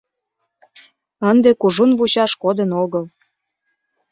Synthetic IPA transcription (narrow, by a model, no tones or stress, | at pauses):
ənd̪ekuʒunvut͡ɕɑʃkod̪ənoɣəl